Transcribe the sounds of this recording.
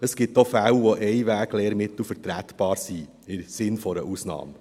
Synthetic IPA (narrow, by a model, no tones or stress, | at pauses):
əsɡ̥ɪtofæwʋoʔɛɪʋæːɡleːɾmɪt̪l̩fəɾtɾætb̥ɑːɾsi | ɪsɪnfɔɾəʔuːsnɑ̰ːm